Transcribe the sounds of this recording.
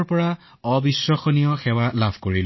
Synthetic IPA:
ɹpɔɹa | ɔbisːɔxɔnijɔxɛwalabʱkoɹil

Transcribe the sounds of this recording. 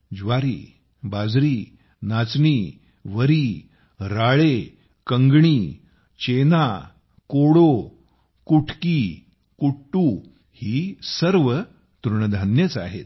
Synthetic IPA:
d͡ʑʋaɾḭː | bad͡zɾiː | nat͡sɳiː | ʋəɾiː | ɾaɭe | kəŋɡɳiː | t͡ɕena | koɽo | kuʈʰkiː | kuʈːuː | hiːsəɾʋə | t̪uɾɳəd̪ʱanjət͡saɦḛt̪̚

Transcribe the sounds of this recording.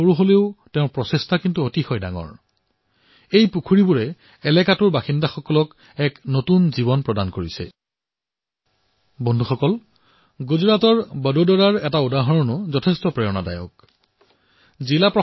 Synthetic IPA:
oɹuɦoleʊtɛʊ̃pɹɔsestʰakintuotixɔjda̰ŋɔ̰ɹ | ejpukʰuɹibuɹɛ | ɛlɛkatʊɹbaxindaxɔkɔlɔk | ɛknotunzibɔnpɹɔdankoɹisɛ̰ | bɔndʱuxɔkɔl | ɡuzɹatɔɹbədodɔɹaɹɛtaudaɦɔɹɔnʊzɔtʰestɔpɹɛɔnada̰jɔ̰k | zilapɹɔ

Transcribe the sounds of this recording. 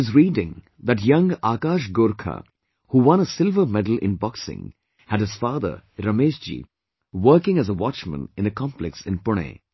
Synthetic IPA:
ɪzɹiːdɪ̃ŋ | ðæʈjʌ̃ŋaːkaːʃɡʊɾkʰa̰ | huːwʌ̃nəsɪlvə˞mɛdəl̩ˠɪ̰̃nbɔksɪ̰̃ŋ | hæd̚ɨz̥faːd̪ə̰˞ɾʌmeːʃd͡ʒḭː | wəːkɪ̃ŋæzəwɑt͡ʃmə̰̃nɪ̃nəkʰɑ̃mplɛksɪ̃npʊɳ̃ḛː

